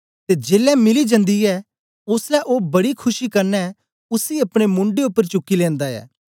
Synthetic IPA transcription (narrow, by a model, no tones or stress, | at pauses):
t̪eːd͡ʒeːlɛmɪlid͡ʒɐ̃nd̪iɛː | ʊslɛʔoːbɐɽikʰʊʃikɐɾnɛ | ʊsiɐpɽ̃emʊ̃ɳɖeʊpːəɾt͡ʃʊkːilɛ̃ːnd̪aɛ̰ː